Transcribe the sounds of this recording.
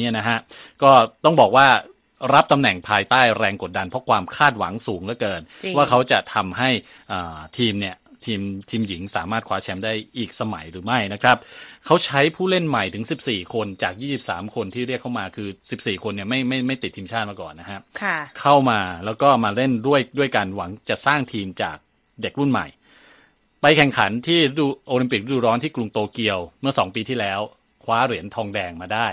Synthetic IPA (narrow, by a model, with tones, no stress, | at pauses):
i˦˥˨na˦˥kʰa˦˥ʔkɔː˥˩t̪ɔ˥˩ŋbɔː˨˩k̚waː˥˩ | ɾa˦˥p̚t̪a˧mnɛ˨˩ŋpʰaː˧jt̪aː˥˩jɾɛː˧ŋko˨˩t̪̚da˧npʰɔ˦˥kʰwaː˧mkʰaː˥˩t̪̚wa̰˩˦ŋsuː˩˦ŋlɛː˦˥˩kɤː˧nwaː˥˩kʰa˦˥wt͡ɕa˨˩t̪ʰa˧mɦa˥˩j | ʔəː˨˩t̪ʰiː˧mni˥˩ɐə | t̪ʰiː˧mt̪ʰiː˧mji˩˦ŋsaː˩˦maː˥˩kʰwaː˦˥t͡ɕʰɛ˦˧˥mdaː˥˩jʔiː˨˩k̚sa˧ma˩˦jɾɯː˩˦ma˥˩jna˦˥kʰɾa˦˥p̚kʰa˦˥wt͡ɕʰa˦˥jpʰuː˥˩le˥˩nma˨˩jt̪ʰɯ˩˦ŋsi˨˩p̚siː˨˩kʰo˧nt͡ɕaː˨˩k̚jiː˥˩si˨˩p̚saː˩˦mkʰo˧nt̪ʰiː˥˩ɾi˥˩əkʰːa˥˩wmaː˧kʰɯː˧si˨˩p̚siː˨˩kʰo˧nːi˥˩ɐma˥˩jma˥˩jma˥˩jt̪i˨˩t̪ʰːiː˧mt͡ɕʰaː˥t̪̚maː˧kɔ̰ː˨˩nːa˦˥kʰa˦˥kʰa˥˩kʰa˥˩wmaː˧lɛː˦˥wkɔː˥˩maː˧ɾe˥˩ndu˥˩əjdu˥˩əjka˧nwa˩˦ŋt͡ɕa˨˩saː˥˩ŋt̪ʰiː˧mt͡ɕa̰ː˨˩k̚ | de˨˩k̚ɾu˥˩nma̰˨˩j | pa˧jkʰɛ˨˩ŋkʰa˩˦nt̪ʰiː˥˩˦duː˧ʔoː˧li˧mpi˨˩k̚ɾa˥duː˧ɾɔː˦˥nt̪ʰiː˥˩klu˧ŋt̪oː˧ki˧əwmɯ˥˩sɔː˩˦ŋpiː˧t̪ʰiː˥˩lɛː˦˥w | kʰwaː˦˥ɾi˨˩˦ənt̪ʰɔː˧ŋdɛː˧ŋmaː˧daː˥˩j